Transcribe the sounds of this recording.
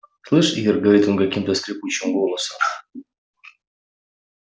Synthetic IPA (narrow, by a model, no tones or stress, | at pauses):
slˠɨʂijərɡɐvɐɾʲit̪onkɐkʲimt̪əskɾʲɪput͡ɕːɪmɡolˠəsəm